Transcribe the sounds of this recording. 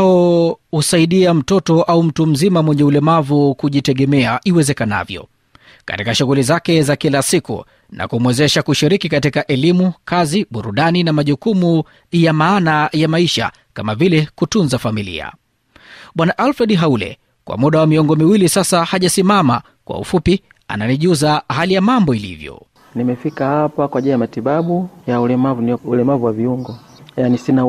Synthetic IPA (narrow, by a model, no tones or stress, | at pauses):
ɔhusaiɗiam̩tɔtɔʔaum̩tum̩zimamwɛɲɛulɛmavukuʄitɛɠɛmɛaʔiwɛzɛkana̰vjɔ̰ | ka̰tikaʃuɣulizakɛzakilasikṵ | nʔa̰kumwɛzɛʃakuʃiɾikikatikaʔɛlimukaziɓuɾuɗaninamaʄukumu | jamaːnajamaiʃa̰ | kamavilɛkutunzafamilḭa̰ | ɓwanaʔalfɾɛɗɦaulɛ̰ | kwa̰muɗawamiɔŋɡɔmiwilisasahaʄasimama | kwa̰ṵfupi | a̰naniʄuzahalijamambɔilḭvjɔ̰ | nimɛfikahapakwaʄilijamatiɓaɓujaulɛmavunulɛmavuwaviuŋɡɔ | janisina